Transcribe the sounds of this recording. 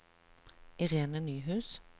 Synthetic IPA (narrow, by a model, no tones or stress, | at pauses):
ɪʁeːnənyːɦʉːs